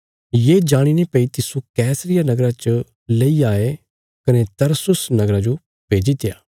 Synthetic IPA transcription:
jeːd͡ʒaːɽ̃inepɐit̪ɪsukɛːsɾɪjanɐɡɾat͡ʃə | leiaːe | kɐnet̪ɐɾsʊsnɐɡɾad͡ʒo | peːd͡ʒit̪eja̰ː

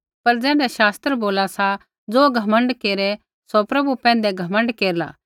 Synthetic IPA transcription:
pɐɾd͡zɛ̃ːɖɛʃaːst̪ɾəboːlasa | d͡zoːɡʱɐmə̃ɳɖkeːɾɛ | sopɾɐbupɛ̃ːnd̪ɛɡʱɐmə̃ɳɖkeːɾla̰ː

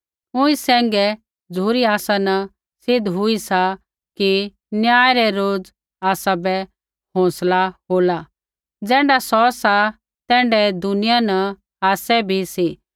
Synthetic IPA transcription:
ʊ̃ĩsɛ̃ːŋɡɛ | d͡zuːɾiaːsanɐ | sɪd̪ʱɦʊisa | ki | njaːɛɾɛɾoːd͡z | aːsabɛ | ɦõːslaɦoːla | d͡zɛ̃ːɳɖasɔsa | t̪ɛ̃ːɳɖɛd̪ʊnɪjanɐ | aːsɛbʱisi

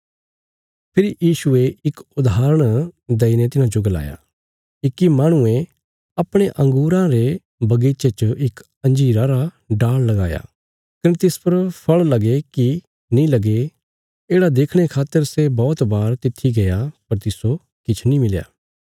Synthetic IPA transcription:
pʰɪɾijiːʃʊeɪkʊd̪aːɾəɽ̃d̪ɐinet̪ɪnãd͡ʒʊɡəla̰ːja̰ | ɪkːimaːɽ̃ʊẽ | ɐpɽ̃eʔɐ̃ŋɡuːɾãɾe | bɐɡeːt͡ʃet͡ʃəɪk | ɐ̃nd͡ʒiːɾãɾa | ɖaːɭlɐɡaːja̰ː | kɐnet̪ɪspɐɾpʰɐɭlɐɡeki | nĩlɐɡe | eːɽad̪eːkʰɽ̃ekʰaːt̪ːəɾsebɔːt̪baːɾt̪ɪt̪ʰːiɡɐjapɐɾt̪ɪso | kɪt͡ʃʰnĩmɪlja̰ː

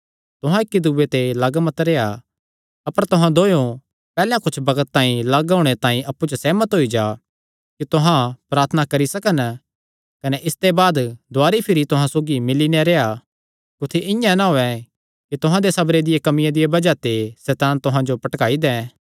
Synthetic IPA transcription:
t̪ʊɦãɪkːid̪uːet̪elɐɡmət̪ɾeːa | ɐpəɾt̪ʊɦãd̪oːjõ | pɛːljãkʊt͡ʃʰbɐɡət̪ːãːĩlɐɡaːɽ̃et̪ãːĩʔɐpːut͡ʃosɛːmət̪ɦoːid͡ʒaː | kit̪ʊɦãpɾaːɾt̪ʰənakɐɾisɐkən | kɐnɛʔɪst̪ebaːd̪d̪ʱoaːɾipʰɪɾit̪ʊɦãsoːɡimɪlineɾeːa | kʊt̪ʰeʔɪ̃jãnaɦoːɛ̃ | kit̪ʊɦãd̪esɐbɾed̪ɪjekɐmɪjãd̪ɪjebɐd͡ʒat̪esɛːt̪aːnt̪ʊɦãd͡ʒopɐʈkaːid̪ɛ̃ː

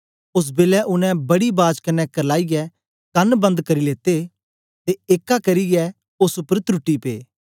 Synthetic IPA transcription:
ʊs̬beːlɛʔʊnɛ̃bɐɽibaːd͡ʒkɐnːɛkɐɾlaːiɡɛ | kɐnbɐ̃nd̪kɐɾileːt̪e | t̪eeːkːakɐɾiɡɛ | ʊsʊpːəɾt̪ɾʊʈːipḛː

